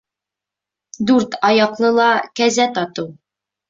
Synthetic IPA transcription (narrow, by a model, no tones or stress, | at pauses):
d̪ʉɾt̪ɒjɑqlˠɤlˠɑkæzæt̪ɒt̪ɤw